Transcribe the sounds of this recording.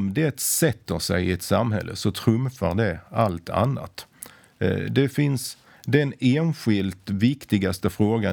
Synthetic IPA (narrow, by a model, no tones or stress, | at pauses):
md̪ɛt̪sɛt̪ːəsæɪɪɛt̪samɦɛ̰lːə̰sɔt̪ʰɾɵmfaɾd̪ɛalt̪ʰa̰nːa̰t̪ | d̪ɛfɪns | d̪ɛneːnɧɪlt̪vɪkt̪ɪɡast̪əfɾoːɡa